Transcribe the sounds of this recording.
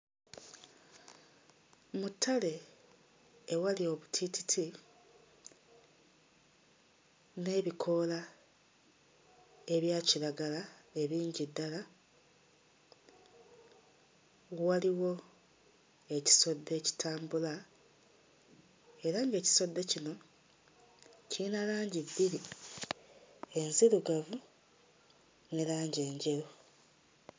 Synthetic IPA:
mutʰːale̞ | walio̞βutʰititʰi | ne̞ːβikʰo̞la | e̞βjaːciɾaɡalae̞βiːɲɟidːala | waliwo̞ | e̞ci̥so̞dːe̞ci̥tʰaːmbula | e̞ɾaŋɡe̞ːci̥so̞dːecino̞ | cinalaːɲɟibːiɾi | e̞nziɾuɡavu | nilaːɲɟe̞ːɲɟe̞ɾo

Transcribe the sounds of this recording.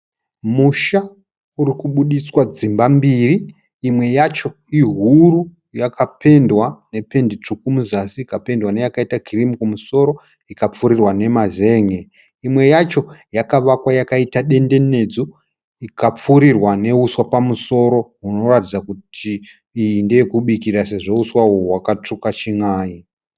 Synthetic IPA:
muʃa | uɾikuɓuɗiswad͡zimbambiːriː | mwe̞jat͡ʃo̞ | iɦuru | jakape̞ndwane̞pe̞ndit͡ʂukumuzasiːkape̞ndwanejakaitakirimikumuso̞ɾo̞ | ikap͡fuɾirwane̞maze̞ːŋe | imwe̞jat͡ʃo̞jakaʋakwajakaitaɗe̞nde̞ne̞d͡zo | ikap͡fuɾirwane̞uswapamuso̞ɾo̞ɦuno̞ratid͡zakutʰiː | jindekuɓikiɾase̞ʐo̞uswaoɦwakatukat͡ʃiŋaːi

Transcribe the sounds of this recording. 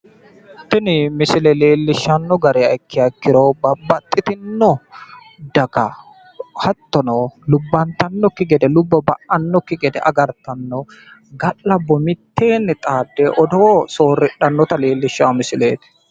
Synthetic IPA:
t̪ɪnɪmɪsɪlɛleːlːɪʃːɐnːɔɡɐɾɛɐkːɪɐkːɪɾɔbɐbːɐt̪ʼːɪt̪ɪnːɔ | d̪ɐkɐ | hɐt̪ːɔnɔlʊbːɐnt̪ɐnːɔkːɪɡɛd̪ɛlʊbːɐbɐ̰ʔɐnːɔkːɪɡɛd̪ɛ̰ʔɐɡɐɾt̪ɐnːɔ | ɡɐlːɐbːɔmɪt̪ːe̞ːnːɪt̪ʼaːd̪ːɛʔɔd̪oːsoːrːɪɗːɐnːɔt̪ɐle̞ːlːɪʃːaːmɪsɪleːt̪ɪ̥

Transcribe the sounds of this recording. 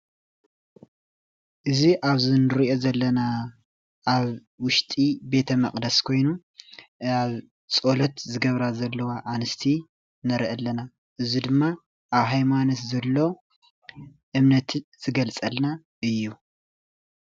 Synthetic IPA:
ʔɨziʔaβzinɨɾiʔo̞zɐlːɐna | ʔaβ | wʊʃt̪ʼibe̞t̪ʰɐmɐχʼd̪ɐskʰo̞jnu | aβ | t͡sʼo̞lɐt̪zɨɡɐβɾazɐlːɐwaʔanɨst̪ʰi | nɐɾʔɐlːɐna | ʔɨzid̪ɨmːa | ʔaβɦajmanot̪zɐlːo̞ | ʔɨmnɐt̪ʰz̥ɨɡɐlt͡sʼɐlna | ʔɨjːu

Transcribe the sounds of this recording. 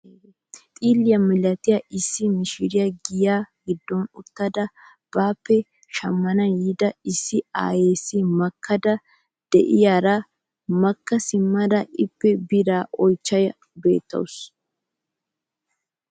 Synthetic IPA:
t̪ʼiːlːɪjɐmɪlɐt̪ɪjɐʔɪsːɪmɪʃɪɾɪjɐɡɪjaːɡɪd̪ːonʊt̪ːɐd̪ɐ | b̥aːpːɛ | ʃɐmːɐnɐjɪd̪ɐɪsːɪa̰ːjeːsːɪmɐkːɐd̪ɐ | d̪̥ɛ̰ʔɪjaɾɐ | mɐkːɐsɪmːɐd̪ɐɪpːɛbɪɾaːʔɔjt͡ʃːɐj | be̞̰ːt̪ːɐ̰wʊs

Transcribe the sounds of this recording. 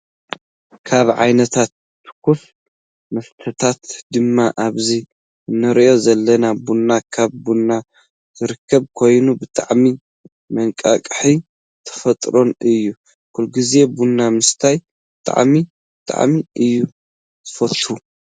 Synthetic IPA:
kʰaβʕa̰jnɐt̪ʰat̪ːɨ̥kʰːuf | mɐft̪ʰɐt̪ʰat̪d̪ɨmːaʔaβzi | nːɨɾʔo̞zɐlːɐnabunːakʰaβːunːa | z̥ɨɾɨkʰːɐβkʰo̞jnubɨt̪ʼaʕmi | mɐŋkʼa̰kʼħi | t̪ʰɐ̥fɐt̪ʼɾo̞nɨjːu | kʰulɡize̞bunːamɨst̪ʰaj | bɨt̪ʼa̰ʕmi | bɨt̪ʼa̰ʕmiʔɨjːu | zɨ̥fɐt̪ʼhu

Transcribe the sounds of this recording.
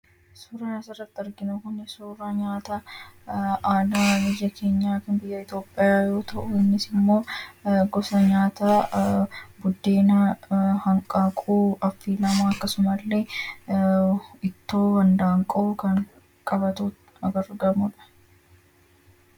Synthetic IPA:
suːɾɐnɐsɪrːɐt̪ːɪɐɾɡɪnukʊnɪsuːɾɐɲaːt̪a | aːnaːmɪjːɐkʰe̞ːɲːaːkɪnbɪjːɐɪt̪jo̞ːpʼːɪjaːjo̞ːt̪ʰɐʔʊɪnːɪsɪmːo̞ːɡɔsɐɲaːt̪aː | bʊd̪ːe̞ːn | hɐŋkʼaːkʼuːɐfːiːlɐmaːɐkːɐsʊmɐlːe̞ː | ɪt̪ːoːɡɐnd̪aːŋkʼɐʔʊkɐŋ | kʼɐbɐt̪uː | ɐɡɐɾɡɐmʊᶑɐ̥

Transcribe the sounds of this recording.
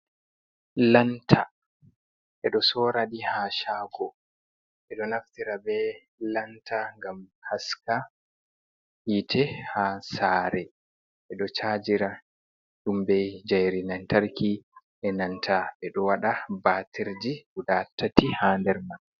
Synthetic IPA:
lantʰa | ʔɛɗɔsɔɾaɗihaʃaːɡɔ | ʔɛɗɔnaftiɾabɛ | lantʰaŋɡamhaska | hitʰɛhasaːɾɛ | ʔɛɗɔt͡ʃad͡ʒiɾa | ɗumbɛjd͡ʒajɾinantaɾki | ʔɛnantʰaɓɛɗɔwaɗabaːtʰiɾd͡ʒiudatʰːatihaːndɛɾman

